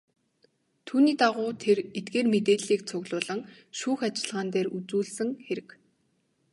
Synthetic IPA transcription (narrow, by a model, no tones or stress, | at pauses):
t̪ʰuːniːt̪aʁʊːt̪ʰeret̪̚ɡeːrmet̪eːɮiːk̚t͡sʰʊɣɮʊːɮə̆ŋ | ʃuːxat͡ɕɪ̆ɮʁaːnt̪eːrut͡suːɮsɘ̆ŋxeɾɘ̆k